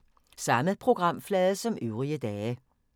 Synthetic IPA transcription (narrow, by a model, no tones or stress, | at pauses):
sɑ̈məðˠpʰʁoɡ̥ʁɑ̈m̰flɛːðˠəsɒ̽møʊʁiəd̥ɛːə